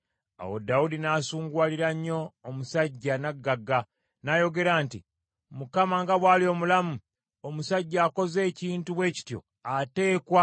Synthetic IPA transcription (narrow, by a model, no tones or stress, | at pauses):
a̰wo̰daudinaːsuːŋɡwaːliɾaɲːo̞ːmusaɟːanaɡːaɡːa | najo̞ɡe̞ɾaːnti | mukamaŋɡaβwaːlio̞ːmulamu | omusaɟːaːko̞ze̞ːciːntuβwe̞ːci̥tjo̞̰ | ate̞ːkwa